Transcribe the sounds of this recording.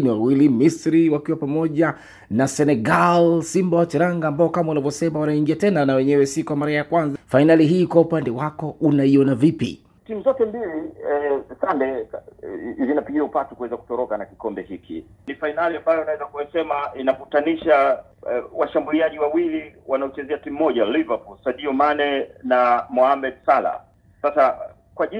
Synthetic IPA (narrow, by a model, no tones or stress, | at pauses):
niwawilimisɾiwakiwapamɔʄa | nasɛnɛɡalsimbawat͡ʃɛɾaŋɡaːmbaɔkamaunavjɔsɛmawanaiŋɡiatɛnanawɛɲɛwɛsikuamaɾajakwanzafainaliɦiːkwaupandɛwakɔʔunaiɔnavipḭ | timuzɔtɛmbiliɛsandɛ | zinapiɠiaupatukwɛzaku̥tɔɾɔkanakikɔmbɛhikʰḭnifainaliambajɔnawɛzakujasɛmainakutaniʃa | waʃambuliaʄiwawiliwanaut͡ʃɛzɛatim̩ːɔʄalivapulsaɗiɔmanɛnamɔhamɛdsala̰ | sasa | kwaʄi